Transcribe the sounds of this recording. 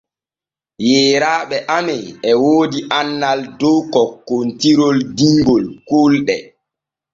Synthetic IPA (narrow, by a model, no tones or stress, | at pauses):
jɛːɾaːɓɛʔamɛjɛwoːdiʔanːaldɔkɔkːontiɾɔldiŋɡɔlkolɗɛ